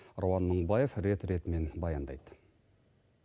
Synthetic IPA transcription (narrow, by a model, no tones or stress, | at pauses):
rowɑnːəɴbɑje̞fɾe̞t̪ɾe̞t̪ɪme̞nbɑjɑnd̪ɑ̰jd̪̥